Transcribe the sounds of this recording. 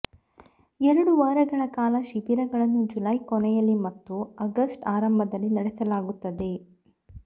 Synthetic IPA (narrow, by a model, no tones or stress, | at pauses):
ɛɾɐɽuʋaːɾɐɡɐɳɐkaːlɐʃipiɾɐɡɐɭɐnːud͡ʒulɐjkɔnɛjɐlːimɐt̪ːuɐɡɐsʈaːɾɐmbʱɐd̪ɐlːinɐɽesɐlaːɡut̪ːɐd̪e̞